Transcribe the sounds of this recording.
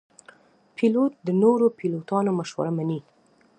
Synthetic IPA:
pʰilot̪̚d̪ənoɾopilot̪ɑnomaʃwa̰ɾamani

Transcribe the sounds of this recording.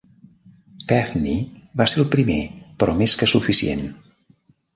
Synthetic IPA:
pɛfniβaseɾəlˠpɾimepɾɔmeskəsufisiḛn

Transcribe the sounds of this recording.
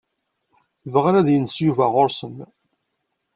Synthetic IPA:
vəʁɾæðjənsjuvæʁʊɾsən

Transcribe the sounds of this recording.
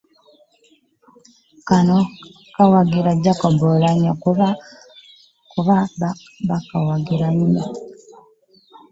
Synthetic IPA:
kano | kawaɡiɾaɟakobolaɲaka | kuβa | bakawaɡiɾaɲina

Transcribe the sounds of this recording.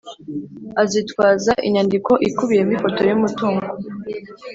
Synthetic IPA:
azitkwaːzaʔḭɲandiko̞ʔikuβijemifo̞to̞jumutuːŋɡo

